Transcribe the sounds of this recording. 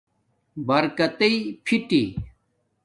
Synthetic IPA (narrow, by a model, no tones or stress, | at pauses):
bɐɾkɐt̪ɐipʰiʈḭ